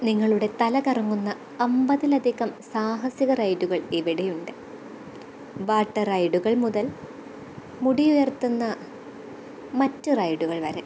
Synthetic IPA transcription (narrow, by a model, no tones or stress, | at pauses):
niŋːɐɭuɽe̞t̪ɐlɐkɐrɐŋːunːɐ | ɐmbɐðilɐd̪ʱiɣɐmsaːɦɐsiɣɐrɐjɖuɣɐɭiʋiɽejuɳɖɨ | ʋaːʈːɐrɐjɖuɣɐɭmuðɐl | muɽijujɐrt̪ːunːɐ | mɐtːɨrɐjɖuɣɐɭʋɐɾe